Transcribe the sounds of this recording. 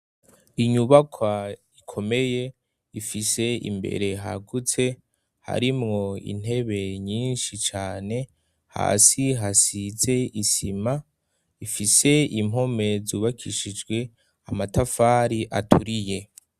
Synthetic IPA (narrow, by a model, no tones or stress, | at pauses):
iɲuβakʰwa | ikʰo̞me̞je̞ | ifise̞ḭmbe̞̰ɾe̞ɦa̰ɡut͡se̞ | ha̰ɾimŋo̞ḭn̥e̞βe̞ɲiːnʃit͡ʃaːne̞ | ha̰ːsiɦasize̞isima | ifise̞imo̞me̞zuːβakʰiʃid͡ʒɡwe̞ | amatafaːɾiʔatʰuɾije̞